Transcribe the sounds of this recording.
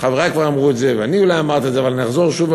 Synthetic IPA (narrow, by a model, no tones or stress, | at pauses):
χaveʁakvaʁamʁuɛtzevɛaniulajamaʁt̪izeavalnaχzoʁʃuv